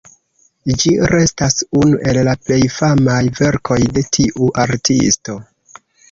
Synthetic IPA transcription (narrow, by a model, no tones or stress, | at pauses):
d͡ʒiɾe̞stasunuʔe̞lːaple̞jfamajve̞ɾkʰo̞jde̞tʰiʔuʔaɾtʰḭsto̞